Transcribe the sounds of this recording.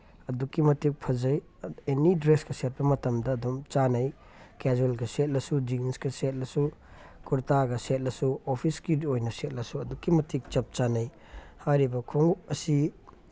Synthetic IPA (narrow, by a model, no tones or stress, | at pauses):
ɐdukːimɐtik̚pʰɐzɐj | enidɾeskɐset̚pɐmɐtɐmdɐːdumt͡ʃanɐj | ked͡ʒulɡɐset̚lɐsud͡ʒiŋnskɐset̚lɐsukuɾtaɡɐset̚lɐsuopʰiskiojnɐset̚lɐsuɐdukːimɐtik̚t͡ʃɐp̚t͡ʃanɐj | hajɾibɐkʰoŋuk̚ɐsi